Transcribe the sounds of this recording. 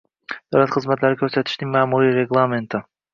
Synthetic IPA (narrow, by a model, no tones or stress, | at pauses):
d̪ɑlɑt̪qʰɯzmat̪lɑɾikʰøɾsø̞t̪y̥ʃt̪iŋmɑːmuɾiɾeɡlˠamʲent̪ɪ